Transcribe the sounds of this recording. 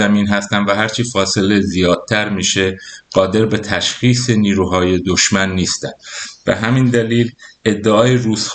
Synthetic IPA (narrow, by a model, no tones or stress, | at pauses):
æmiːnɦæst̪ænvæɦæɾt͡ʃʰifɒːse̞le̞zijɒːd̪̥̚t̪ʰæɾmiːʃeɢ̥ɒːd̪e̞ɾbet̪ʰæʃxiːseniːɾuːɦɒːje̞d̪oʃmænːiːst̪ænb̥ḛɦæmind̪æliːle̞d̪ːeʔɒːjeɾuːzx